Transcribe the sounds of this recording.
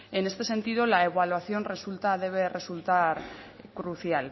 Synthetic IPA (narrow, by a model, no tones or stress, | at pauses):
e̞ne̞st̪e̞se̞nt̪iðo̞lae̞β̞alwaθjo̞nre̞sult̪að̞e̞β̞e̞re̞sult̪aɾ | kɾuθjal